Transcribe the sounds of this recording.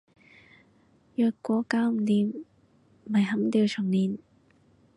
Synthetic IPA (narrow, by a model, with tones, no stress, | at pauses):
jœː˨˧kːʷɔː˨˥kaː˨˧˥wm̩˨˩t̪iː˨˧m̩˨ | ɐ˨jɦɐ˨˥mt̪iː˧wt͡ʃʰʊ˨˩ŋliː˨˩n